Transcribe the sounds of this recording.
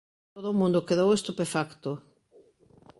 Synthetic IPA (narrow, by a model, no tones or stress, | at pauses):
t̪oðoːmũnd̪okeðowest̪upefakt̪o